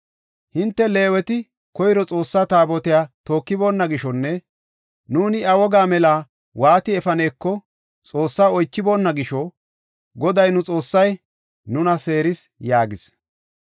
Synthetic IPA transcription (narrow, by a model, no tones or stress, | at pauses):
hɪnt̪ːɛle̞ːwɛt̪ɪ | kɔjɪɾɔt͡sʼo̞ːsːaːt̪aːbɔt̪ɪjaːt̪o̞ːkːɪbo̞ːnːɐɡɪʃɔnːɛ | nuːnɪɐwɔɡaːmɛlaː | waːt̪ɪɛfɐneːkːɔ | t͡sʼo̞ːsːaːɔjt͡ʃːɪbo̞ːnːɐɡɪʃɔ | ɡɔd̪ɐjnʊt͡sʼo̞ːsːɐj | nʊnɐse̞ːɾɪsjaːɡɪs